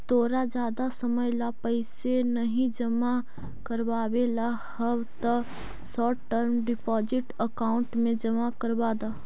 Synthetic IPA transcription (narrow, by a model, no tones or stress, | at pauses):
t̪oːɾad͡ʒjaːd̪asɐməjlapɐɪsenɐɦĩd͡ʒɐma | kəɾbaːʋela | hɐwt̪ə | sɔːʈəɾmɖɪpɔːzɪʈəkaːʊ̃ɳʈmẽd͡ʒɐmakəɾbaːd̪aː